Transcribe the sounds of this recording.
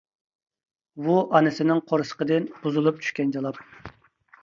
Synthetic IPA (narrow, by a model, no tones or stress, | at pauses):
buʔɑnɨsɪnɪŋqʰoɾɨsə̥qəd̪ɨnb̥uzulˠup̚t͡ʃʰy̥ʃkʲɛnd͡ʒɑlˠɑp̚